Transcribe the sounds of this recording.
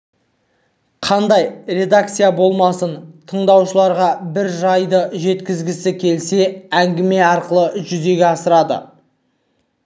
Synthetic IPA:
qʰɑnd̪ɑjre̞d̪ak̚t̪sɨjabo̞lˠmɑsənt̪ʰəɴd̪ɑwʃəlˠɑɾʁɑbɪɾʒɑjd̪əʒe̞t̪kʲɪzɡʲɪsɪkʲʰe̞lse̞æŋɡʲɪme̞ɑɾqəlˠəʒʏze̞ɡʲeɑsəɾɑd̪ə̰

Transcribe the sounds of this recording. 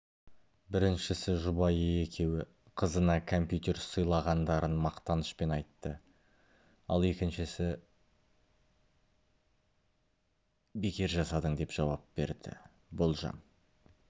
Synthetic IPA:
bɪɾɪnʃɪsɪʒʊbɑje̞kʲʰe̞wɪ | qʰəzənɑkʰo̞mpjut̪ʲe̞ɾsəjlˠɑʁɑnd̪ɑɾənmɑqt̪ɑnəʃpe̞nɑjt̪ːə | ɑ̰lˠe̞kʲɪnʃɪsɪ | be̞kʲe̞ɾʒɑsɑd̪əɴd̪e̞pʒ̥ɑwɑp̚be̞̰ɾd̪ɪ̰ | bo̞lˠʒɑ̰n

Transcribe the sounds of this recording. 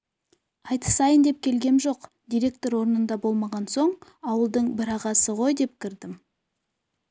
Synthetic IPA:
ɑjt̪ə̥sɑjənd̪e̞p̚kʲʰe̞lɡʲe̞nʒo̞q | d̪ijɾʲe̞k̚t̪o̞ɾwo̞ɾnənd̪ɑbo̞lˠmɑʁɑnso̞ɴɑwəlˠd̪əɴbɪɾɑʁɑsəʁo̞jd̪e̞p̚kʲʰɪɾd̪ɪm

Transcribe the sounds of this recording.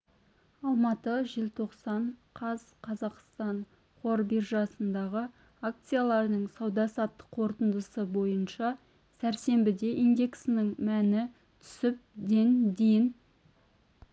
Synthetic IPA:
ɑlˠmɑt̪əʒɪlt̪ʰo̞qsɑɴqʰɑzqʰɑzɑqst̪ɑɴ | qʰo̞ɾbirʒɑsənd̪ɑʁə | ak̚t̪sɨjalˠɑɾnəɴsɑwd̪ɑsɑt̪ːə̥qʰːo̞ɾt̪ənd̪əsəbo̞jənʃɑ | sæɾse̞mbɪd̪e̞ʔind̪e̞ksɪnɪŋmænɪ | t̪ʰʏ̥sɪp̚d̪e̞nd̪ejɪn

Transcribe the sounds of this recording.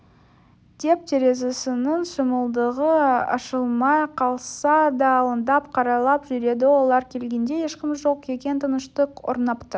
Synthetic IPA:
d̪̥e̞p̚t̪ʰeɾe̞zesɪnəɴsəməlˠd̪əʁəɑ̰ʃəlˠmɑjqʰɑlˠsɑd̪ɑːlˠənd̪ɑp̚qʰɑɾɑlˠɑpʒʏɾe̞d̪ɪwo̞lˠɑɾkʲʰe̞lɡʲe̞nd̪e̞jeʃqʲɪmʒo̞qe̞kʲe̞nt̪ʰənəʃt̪əo̰ɾnɑpt̪əɾ

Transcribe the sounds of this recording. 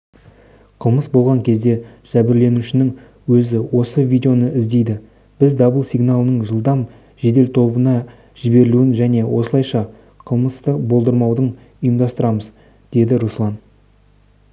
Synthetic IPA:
qʰəlˠməsbo̞lˠʁɑŋkʲʰe̞zd̪e̞ʒ̥æbɪɾle̞nuʃɪnɪŋ | wɵzɪwo̞səvʲijd̪eo̞nəɪzd̪e̞jd̪ɪ | b̥ɪzd̪ɑbəlˠsijɡnalˠənəɴʒəlˠd̪ɑm | ʒe̞d̪e̞lt̪ʰo̞bənɑ | ʒɪbe̞ɾɪluɪnʒæne̞wʔo̞səlˠɑjʃɑ | qʰəlˠməst̪əbo̞lˠd̪əɾmɑwd̪əɴ | ʊjəmd̪ɑst̪əɾɑməz | d̪̥e̞d̪ɪɾuslˠɑn

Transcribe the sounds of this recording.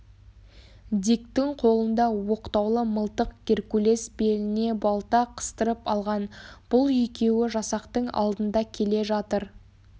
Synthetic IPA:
d̪ikt̪ɪŋqʰo̞lˠənd̪ɑwo̞qt̪ɑwlˠəməlˠt̪əq̚ɡ̥ʲe̞ɾkule̞sbe̞lɪne̞bɑlˠt̪ɑqʰə̥st̪əɾəpɑlˠʁɑnb̥ʊlˠʏjkʲe̞wɪʒɑsɑqt̪əɴɑ̰lˠd̪ənd̪ɑkʲʰe̞le̞ʒɑt̪əɾ

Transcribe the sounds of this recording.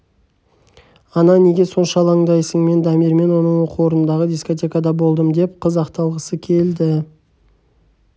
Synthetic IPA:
ɑnɑne̞ɡʲe̞so̞nʃɑlˠɑɴd̪ɑjsəɴme̞nd̪ɑmiɾme̞nwo̞nəɴwoqʰəwo̞ɾnənd̪ɑʁəd̪isko̞t̪̬ʲe̞kad̪ɑbo̞lˠd̪əmd̪e̞p̚qʰəzɑqt̪ɑlˠʁəsəkʲʰe̞ld̪ɪ

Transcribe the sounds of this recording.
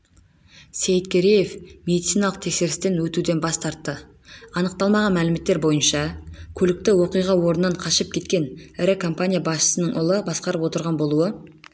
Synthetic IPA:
sejɪt̪kʲʰeɾije̞fme̞d̪it̪sijnɑlˠəq̚t̪ʰe̞kse̞ɾɪst̪e̞nwɵt̪ud̪e̞nbɑst̪ʰɑɾt̪ːə | ɑnəq̚t̪ɑlˠmɑʁɑnmælɪme̞t̪ːe̞ɾbo̞jənʃɑkʲʰɵlɪk̚t̪ɪwo̞qijʁɑwo̞ɾənːɑɴqʰɑʃəp̚kʲʰe̞t̪kʲe̞nɪɾɪkʰo̞mpanʲijabɑsʃə̥sənəɴʔʊlˠəbɑsqɑɾəpwo̞t̪əɾʁɑnbo̞lˠuə

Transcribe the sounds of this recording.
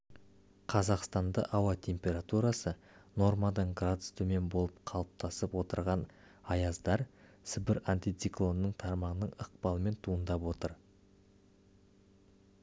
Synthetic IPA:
qʰɑzɑqst̪ɑnd̪ə̰ʔɑwɑt̪ʲʰe̞mpʲe̞ɾat̪uɾɑsə | no̞rmɑd̪əɴɡrad̪ʊst̪ʰume̞nbolˠəp̚qʰɑlˠəp̚t̪ɑsəpwo̞t̪əɾʁɑn | ɑjɑzd̪ɑɾ | sɪbɪɾant̪ijt̪siklˠo̞nnəɴt̪ʰɑɾmɑʁənəɴəq̚pɑlˠəme̞nt̪ʰuənd̪ɑpwo̞t̪əɾ

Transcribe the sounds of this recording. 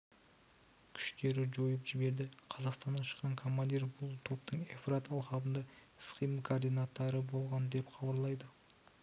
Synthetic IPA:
kʲʰʏ̥ʃt̪e̞ɾɪʒojəpʒɪbe̞ɾd̪ɪqʰɑzɑqst̪ɑnɑʃə̥qːɑŋkʰo̞mːand̪irbʊlˠt̪ʰo̞p̚t̪əɴefɾat̪ɑlˠqɑbənd̪ɑ | sqijmkʰoːrd̪ijnat̪ːɑɾəbo̞lˠʁɑnd̪e̞pχʰɑbɑɾlˠɑjd̪ə

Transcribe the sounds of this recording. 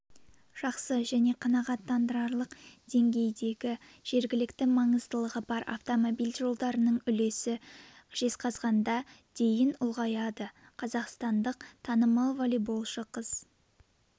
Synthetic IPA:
ʒ̥ɑqsəʒæne̞qʰɑnɑʁɑt̪ːɑnd̪əɾɑɾlˠəqd̪̥e̞ŋɡʲe̞jd̪e̞ɡʲɪʒ̥e̞ɾɡʲɪlɪkt̪ɪmɑɴəzt̪əlˠəʁəbɑɾɑ̰ft̪o̞mo̞bijlʲʒo̞lˠd̪ɑɾənəɴʏle̞sɪʒ̥e̞sqʰɑzʁɑnd̪ɑd̪̥e̞jɪnʊlˠʁɑjɑd̪ə | qʰɑzɑqst̪ɑnd̪əq̚t̪ʰɑnəmɑlˠvolijbo̞lˠʃəqʰəz̥

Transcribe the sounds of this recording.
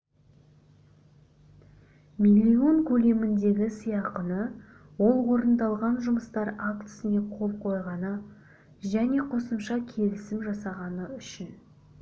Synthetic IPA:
milʲːio̞ŋkʲʰɵle̞mɪnd̪e̞ɡʲɪsijɑqənə | wo̞lˠwo̞ɾənd̪ɑlˠʁɑnʒʊməst̪ɑɾakt̪ə̥sɪne̞qʰo̞lˠqʰo̞jʁɑnə | ʒæne̞qʰo̞səmʃɑkʲʰe̞lɪsɪmʒɑsɑʁɑnəʏʃɪn

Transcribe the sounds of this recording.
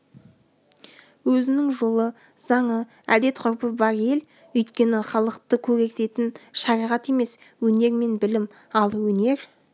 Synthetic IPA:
wɵzɪnɪŋʒo̞lˠə | z̥ɑɴə | æ̰d̪e̞t̪qʰʊɾpəbɑɾe̞l | ɵjt̪kʲe̞nɪχɑlˠəqt̪əkʲʰɵɾe̞k̚t̪e̞t̪ɪnʃɑɾɑjʁɑt̪e̞me̞s | wɵne̞ɾme̞nbɪlɪm | ɑlˠwɵne̞ɾ

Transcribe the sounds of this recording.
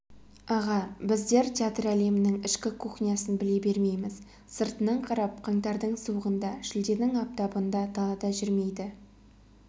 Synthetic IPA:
ɑʁɑbɪzd̪e̞ɾt̪ʲeat̪ræle̞mɪnɪŋɪʃkʲɪkʰoχnijɑsənbɪle̞be̞ɾme̞jmɪz | səɾt̪ənɑɴqʰɑɾɑp̚qʰɑŋt̪ɑɾd̪əɴsuwəʁənd̪ɑʃɪld̪e̞nɪŋɑp̚t̪ɑbənd̪ɑt̪ʰɑlˠɑd̪ɑʒʏɾme̞jd̪ɪ

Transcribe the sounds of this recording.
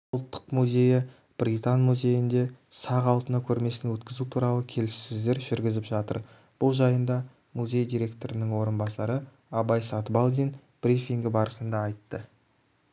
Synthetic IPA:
ɑlˠt̪ːə̥qmuzʲe̞jɪ | b̥rit̪ɑnmuzʲe̞jɪnd̪e̞sɑʁɑlˠt̪ənɑkʲʰɵɾme̞sɪnwɵt̪kʲɪzut̪ʰuɾɑlˠəkʲʰe̞lɪssɪzd̪e̞ɾʒʏɾɡʲɪzɪpʒɑt̪ə̰ɾ | b̥ʊlˠʒɑjənd̪ɑ | muzʲe̞jd̪ijɾʲe̞kt̪o̞ɾɪnɪŋwo̞ɾənbɑsɑɾə | ɑbɑjsɑt̪bɑlˠd̪ijn | b̥rʲifiŋɡʲɪbɑɾəsənd̪ɑɑjt̪ːə

